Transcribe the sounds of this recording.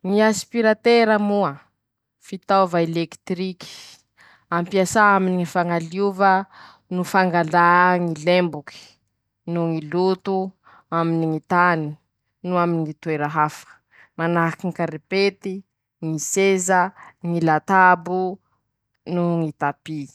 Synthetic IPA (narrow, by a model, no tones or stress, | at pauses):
ŋiaspiɾat̪eɾəmuə | fit̪avaelekt̪ɾiki̥ | ampiasaaminiŋifaŋaliuvə | nufaŋɡalaŋilembuki̥ | nuŋilut̪u | aminiŋit̪ani̥ | nuaminiŋit̪ueɾaɦafə̥ | manaɦakiŋikaɾepet̪i | ŋisezəŋilat̪abu | nuŋit̪api